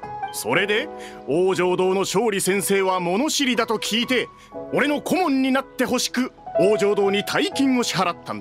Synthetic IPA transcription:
so̞ɾe̞d̪e̞oːʑo̞ːd̪o̞ːno̞ɕo̞ːɾʲisẽ̞ɰ̃se̞ːβ̞amo̞no̞ɕiɾʲid̪at̪o̞kʲʰiːt̪e̞ | o̞ɾe̞no̞kʰo̞mõ̞ɲ̟ʲːinat̪ːe̞ɦo̞ɕi̥kɯ̟oːʑo̞ːd̪o̞ːɲ̟it̪ʰaikʲĩŋo̞ɕi̥ɦaɾat̪ːãnd̪

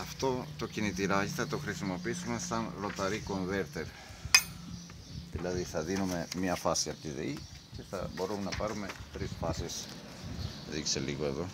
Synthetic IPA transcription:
ɐft̪o̞t̪o̞cinit̪iɾɐçθɐt̪o̞xɾisimo̞piisume̞sɐnɾo̞t̪ɐɾiko̞ɱve̞ɾt̪eɾ | ðilɐðiθɐðinume̞mɲɐfɐsiɐpot̪iðḛi | ce̞θɐ̰bo̞ɾumenɐpɐɾume̞t̪ɾisfɐsis | ðikseliɣo̞e̞ðo̞

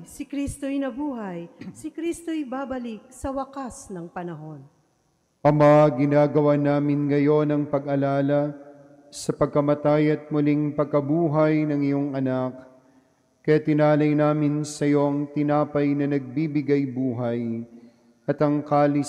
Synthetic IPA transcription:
sɪkɾist̪ojnɐbuːɦɐjsɪkɾist̪oɪbaːbɐlik̚sɐwɐkasnɐŋpɐnɐɦo̞n | ʔɐmɐaɡɪnaːɡɐwanaːmɪnŋɐjo̞nɐŋpɐɡʔɐlaːlɐ | sɐpɐɡ̚kɐmɐt̪ajɐt̪̚mʊliŋpɐɡ̚kɐbuːɦɐjnɐŋɪjo̞ŋʔɐnak | kɐjat̪ɪnaːlɐjnaːmɪnsɐjo̞ʔɐŋt̪ɪnaːpɐjnɐnɐɡ̚biːbɪɡajbuːɦɐj | ɐt̪ɐŋkaːlɪ

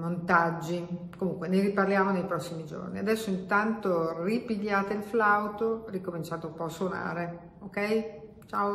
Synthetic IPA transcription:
mont̪ad͡ʒːi | komuŋkweneɾiparljaːmonejpɾɔsːimid͡ʒo̰rniad̪ɛsːoint̪ant̪oripiʎːaːt̪eilflawt̪orikomint͡ʃaːt̪eumpɔasːwona̰ːɾe | okɛj | t͡ʃaːo

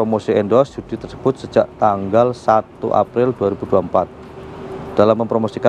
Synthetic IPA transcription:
ɾomosiɛndɔsd͡ʒud̥it̪ərsə̥b̥ʊt̪̚səd͡ʒaʔt̪aŋɡalsat̪ṵʔa̰pɾɪlduaɾib̥uduaəmpat̪̚ | d̥alamːəmpɾomosika

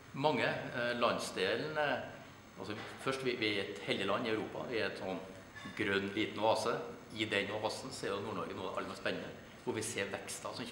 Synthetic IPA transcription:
mɑŋːəlɑnsd̪eːln | ɑ̰lsɔfœʂʈʋɪʋɪæɾɛt̪hɛld̪ɪəlɑnːɪœʉɾuːpɑ̰ʋɪæɾɛt̪sɔnː | ɡɾœnːliːt̪n̩ʋɑːsəɪd̪ɛnʊʋɑːsn̩seːɾjʊnuːɳɔɾɡənuːd̪ɛʔɑ̰əmɛspɛnːənə | ʋʊɾʋɪseːɾʋɛkst̪ɑsɔm

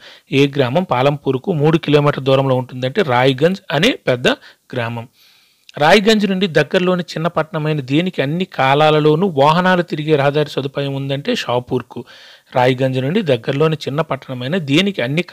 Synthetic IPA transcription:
eːɡɾaːmɐmpaːlɐmpuːɾkumuːɽukiloːmiːʈɐɾd̪uːɾɐmlo̞ːuɳʈund̪ɐɳʈe̞ːɾaːjuɡɐɲd͡ʒɐne̞ːpɛd̪ːɐ | ɡɾaːmɐm | ɾaːjiɡɐɲd͡ʒunuɳɖid̪ɐɡːɐɾlo̞ːnit͡ʃinːɐpɐʈːɐɳɐmɐjnɐd̪eːnikiɐnːikaːlaːlɐlo̞ːnuːʋaːɦɐnaːlut̪iɾiɡe̞ːɾɐɦɐd̪aːɾisɐd̪upaːjɐmund̪ɐɳʈe̞ːʃaːpuːɾku | ɾaːjiɡɐɲd͡ʒɐnuɳɖid̪ɐɡːɐɾɐlo̞ːnit͡ʃinːɐpɐʈːɐɳɐmɐjnɐd̪iːnikiɐnːik

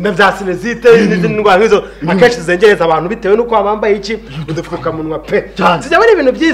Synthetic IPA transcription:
inavjaːsineziteniziiŋɡwaːŋizoakeːʃizizeːɲɟeɾezaβaːn̥huβiteːwenukamaːmbajit͡ʃiudifukamunwapesizaβaniβiːnuvjiː

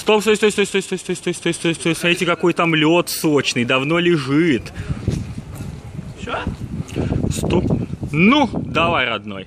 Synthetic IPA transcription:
st̪opsost̪osʲt̪osʲt̪ost̪osʲt̪osʲt̪osʲt̪osʲt̪osʲt̪osʲetʲɪkɐko̞jt̪əɐmlʲot̪sot͡ɕnɨjd̪ɐvno̞lʲɪʐɨt̪ | o | st̪onud̪ɐvajɾɐd̪no̞̰j

